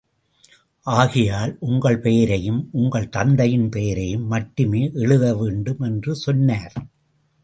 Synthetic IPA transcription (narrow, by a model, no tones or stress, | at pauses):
ʔaːɣɪjaːlʔʊŋɡɐɭpejɐɾɐjɯmʔʊŋɡɐɭt̪ɐnd̪ɐjɪnpejɐɾɐjɯmːɐʈːɯmeːʔɛɻɯðɐʋeːɳɖɯmɛndrɯsɔnːaːɾ